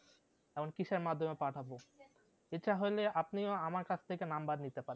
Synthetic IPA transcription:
ɛmonkiʃeɾmad̪ʱːomepaʈʰabo | et͡ɕʰaɦojleapnioamaɾkat͡ɕʰt̪ʰekenambad̪nit̪epaɾe

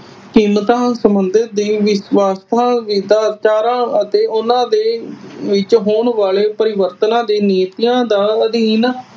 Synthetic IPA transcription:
kiːmt̪ãːsəmənd̪ɪt̪̚d̪iːʋɪswaːst̪ʰãːʋid̪aːt͡ʃaːɾãːət̪eːʊnãːd̪eːʋɪt͡ʃɦoːɳʋaːɭeːpəɾɪʋəɾt̪ənãːd̪eːneːt̪ijãːd̪aːəd̪iːn

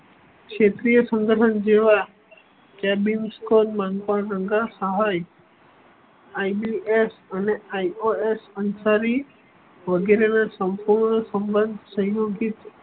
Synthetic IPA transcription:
kʃet̪ɾijəsə̃ŋɡ̪əɾʈʰənd͡ʒeʋa | kɛbinskonmaŋkəɽɾəŋɡasəɦaj | ajbiʔesəneajoesənsaɾi | ʋəɡeɾenasəmpuɾɳəsəmbənd̪ʱsə̃ɦjoɡit̪

